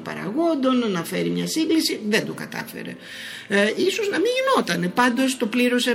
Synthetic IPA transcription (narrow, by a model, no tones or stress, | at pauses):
pɐ̰ɾɐ̰ɣo̞nd̪o̞nnɐfe̞ɾimɲɐsiŋɡlisiðe̞nd̪okɐt̪ɐ̰fe̞̰ɾḛ | isoznɐmiʝino̞t̪ɐne̞pɐnd̪o̞st̪o̞pliɾo̞se